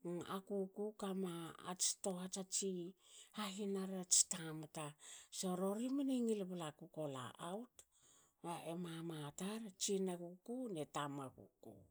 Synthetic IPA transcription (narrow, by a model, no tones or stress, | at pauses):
a̰kukukama̰ːt͡ʃi̥to̞hat͡ʃat͡ʃihaɦinaɾat͡ʃi̥tamatasoɾo̞ɾimaniŋilβalakuko̞la̰ʔawt | maʔemamataɾt͡ʃinakukunetamakṵkṵ